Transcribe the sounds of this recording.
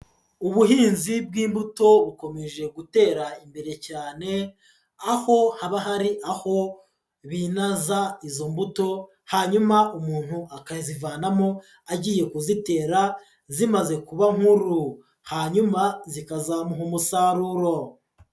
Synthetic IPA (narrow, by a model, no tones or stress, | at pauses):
uβuɦiːnzib̚ɡiːmbuto̞βuko̞me̞ʒe̞ɡute̞ːɾaimbe̞ɾe̞caːne̞ | aho̞haβaɦaɾiʔaho̞ | βinazaizo̞mbuto̞ | haɲumaumuːn̥huʔakazivaːnamo̞ | aɟiːje̞kuzite̞ːɾa | zimaze̞kuβaŋ̥huɾu | haɲumazikazamuɦumusaɾuɾo̞